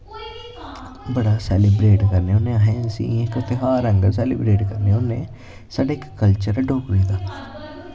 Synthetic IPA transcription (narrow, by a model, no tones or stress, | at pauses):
bəɽaːsɛːlɪbɾeːʈkəɾneːʊnẽːaɦɛ̃ːnsḭ̃ːekʊt̪ʰeːɦaːɾə̃ŋɡəɾs̬ɛːlɪbɾeːʈkəɾneʊnːeː | saːɖaːɪkːəlt͡ʃəɾɖoːkleːd̪aː